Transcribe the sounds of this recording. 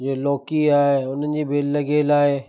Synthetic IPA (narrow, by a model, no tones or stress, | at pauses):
d͡ʑeːlɔːkiaːɦeʊn̤ənɪ̆d͡ʑiːbʱeːɐɡeːlaːɦeː